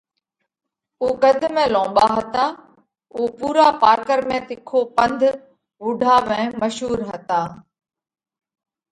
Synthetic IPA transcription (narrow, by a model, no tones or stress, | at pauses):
uːkɐd̪ʱmẽlɔ̃ːɓaɦɐt̪aː | uːpuːɾapaːɾkəɾmẽt̪ɪkʰopɐ̃nd̪ʱ | uːɖʱaːʋɛ̃ːmɐʃɦuːɾɦɐt̪aː